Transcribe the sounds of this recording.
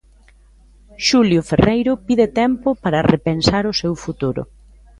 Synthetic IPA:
ʃuljʊferʔejɾʊpiðet̪ɛmpʊpaɾɐrepensaɾʊsewfut̪uɾʊ̰

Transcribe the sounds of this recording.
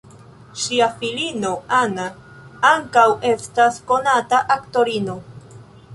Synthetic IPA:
ʃiafilino̞ana | aŋkawe̞stasko̞nataʔakto̞ɾino̞

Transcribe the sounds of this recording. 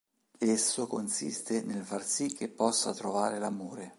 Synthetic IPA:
esːokonsḭst̪enelfarsikʰːepːɔsːat̪ɾovaːɾelamoːɾe

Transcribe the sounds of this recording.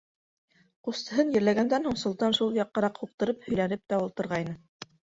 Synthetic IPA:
qust̪ɤ̆ɦɤnjɘ̆ɾlæɡænd̪ænhuɴsŏlˠt̪ɑnʃulˠjɑqːɑɾɑqhuq̚t̪ɤ̆ɾɤphɵ̆jlænɘp̚t̪æulˠt̪ɤ̆ɾʁɑjnɤ

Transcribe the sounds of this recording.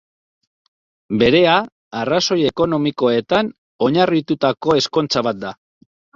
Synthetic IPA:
be̞ɾe̞a | araso̞je̞ko̞no̞miko̞e̞t̪an | o̞ɲarit̪ut̪ako̞e̞sko̞nt͡saβat̪̚d̪a

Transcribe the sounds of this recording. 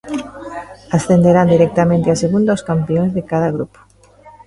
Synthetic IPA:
asθend̪eɾand̪iɾɛk̚t̪amẽnt̪easeɣund̪aoskampeõŋzðekaðaɣɾupo̥

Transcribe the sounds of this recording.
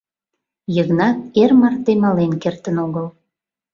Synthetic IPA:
jəɣnɑt̪̚ermɑrt̪emɑlenkert̪ənoɣəl

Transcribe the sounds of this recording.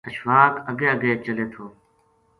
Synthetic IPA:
əʃʋaːkəɡeːəɡeːt͡ʃəleːt̪ʰoː

